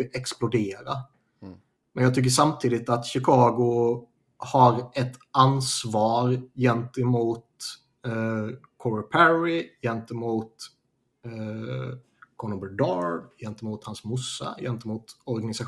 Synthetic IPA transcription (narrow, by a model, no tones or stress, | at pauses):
ʔɛksplʊd̪eːɾa | mɛnjɑɡt̪ʰʏk̬ːəʂamt̪ʰiːd̪ɪt̪at̪ɕɪkʰɑːɡʊ | haɾɛt̪ansvɑːɾjɛnt̪əmuːt̪ | kʰɔɾpʰæɾɪjɛnt̪əmuːt̪ | kʰɔnɔmbɛɖɑːɾjɛnt̪əmuːt̪hansmʊsːa̰jɛ̰nt̪əmuːt̪ɔɾɡanɪsa